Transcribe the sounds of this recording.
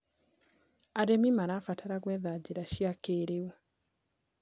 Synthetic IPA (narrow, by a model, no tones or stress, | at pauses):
aɾemimaɾafataɾaɣwɛðad͡ʒeɾaʃiakeɾeu